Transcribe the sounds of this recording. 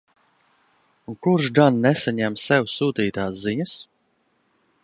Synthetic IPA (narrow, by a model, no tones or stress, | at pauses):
unkuɾʒɡanːɛsaɲæmsɛwsuːt̪iːt̪aːsziɲas